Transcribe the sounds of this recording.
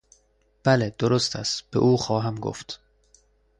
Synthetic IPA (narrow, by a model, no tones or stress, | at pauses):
b̥æled̪̥oɾost̪ʰæst̪b̥ḛʔuːxɒːɦæmɡo̰ft̪